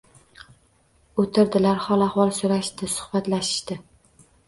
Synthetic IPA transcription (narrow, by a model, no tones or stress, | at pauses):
ot̪ʰɪɾd̪ɪlaɾhɒlˠahwɒlˠsoɾaʃt̪ɪsʊ̥hbat̪laʃɪ̥ʃt̪ɪ